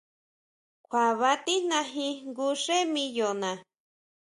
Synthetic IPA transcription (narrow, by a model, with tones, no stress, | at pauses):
kʰʷwa˨βa˧˦t̪i˦n̥ã˧ɦĩ˧ŋɡu˧ʂe˦mĩ˧jo˨nã˨